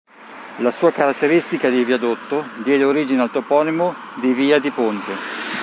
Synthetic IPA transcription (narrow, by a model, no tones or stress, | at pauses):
lasuːakaɾat̪ːeɾist̪ikad̪iviad̪ot̪ːod̪jɛːd̪eoɾiːd͡ʒinealt̪opɔːnimo | d̪iviːad̪ipont̪e